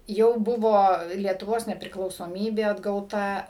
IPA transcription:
ˈjɛʊ ˈbʊʋoː lʲiɛtʊˈʋoːs nʲɛpʲrʲɪklˠɐʊsoːˈmʲiːbʲeː ɐdɡɐʊˈtɐ

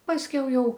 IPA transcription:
pɐsʲˈkʲɛʊ ˈjɛʊ

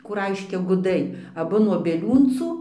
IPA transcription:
ˈkuː ˈrɐɪʃʲkʲɛ ɡʊˈdɐɪ ɐˈbʊ nuɔ bʲiɛˈlʲuːnt͡suː

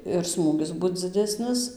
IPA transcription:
ɪr ˈsmuːɡʲɪs ˈbʊt d͡zʲɪˈdʲæːsʲnʲɪs

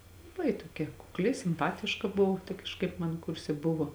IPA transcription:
lˠɐˈbɐɪ toːˈkʲɛ kʊkˈlʲɪ sʲɪmˈpɑːtʲɪʃkɐ ˈbʊʋoː tɐɪ kɐʃˈkɐɪp mɐn ˈkʊrʲsʲɛ ˈbʊʋoː

